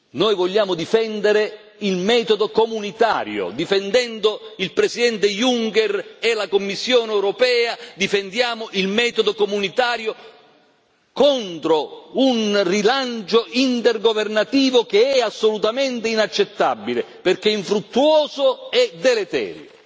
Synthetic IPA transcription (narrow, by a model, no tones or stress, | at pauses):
noːjvɔʎːaːmʊd̪ifɛnd̪eɾe | ilmɛːt̪od̪okomunit̪a̰ːɾjo̰d̪ifend̪ɛnd̪oilpɾesid̪ɛnt̪ejuŋkɛrɛlakomːisːjoːnɛwɾopɛːad̪ifend̪jaːmoʔilmɛːt̪od̪okomunit̪aːɾjo | kɔnt̪ɾounrilant͡ʃoʔint̪erɡovernat̪iːvok̟eɛasːolut̪amɛnt̪einat͡ʃːet̪ːa̰bːileperk̟eiɱfɾut̪ːuɔːzoɛd̪elet̪ɛ̰ːɾjo